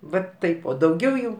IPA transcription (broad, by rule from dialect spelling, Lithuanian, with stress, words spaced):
ˈʋɐt ˈtɐɪp oː dɐʊˈɡʲɛʊ jɛʊ